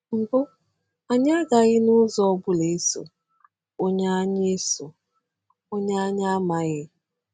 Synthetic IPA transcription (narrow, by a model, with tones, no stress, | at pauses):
m̩˨bo˦ | a˨ɲa˦ɡa˨ɣɪ˦nʊ˦zɔ˦ɔ˦bʊ˦le˨e˦so̰˨ | o˦ɲa˦a˦ɲe˦so˨ | o˦ɲa˦a˦ɲa˦ma˦ɣɪ˦